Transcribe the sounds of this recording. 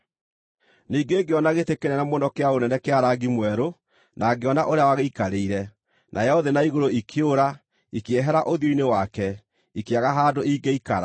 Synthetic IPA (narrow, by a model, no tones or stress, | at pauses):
niːɡeːɡeɔnaɣetekeɾɛnamonɔkeaonɛnɛkeaɾaɡimwɛɾo | nʔaɡeɔnaʔoɾeawaɣeikaɾeiɾɛ | nʔajɛɔðenaiɣoɾoikʰeoɾa | ikeɛɦɛɾaʔoðjoinewakɛ | ikeaɣaɦaːdoiɡeikaɾa